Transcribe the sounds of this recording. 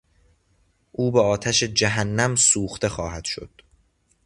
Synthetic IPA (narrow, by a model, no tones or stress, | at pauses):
ʔuːbeɒːt̪ʰæʃe̞d͡ʒæɦænːæmsuːxt̪e̞xɒːhæd̪̥ʃo̞̰d̪̥